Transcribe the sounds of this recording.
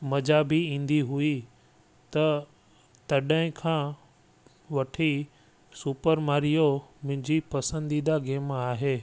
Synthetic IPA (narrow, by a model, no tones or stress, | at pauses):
mɐd͡ʑaːbiĩːnd̪iɦui | t̪ɐ | t̪ɐɗəɦɪ̃kʰãː | ʋɐʈʰi | supəɾmaːɾijomʊ̃ɦɪ̃ɲd͡ʑipɐsə̃nd̪id̪aɡeːmaːɦeː